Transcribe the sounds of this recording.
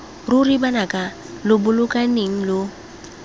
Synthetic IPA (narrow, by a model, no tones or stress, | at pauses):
rʊribanakʼa | lʊbʊlʊkʼaneŋ̩lo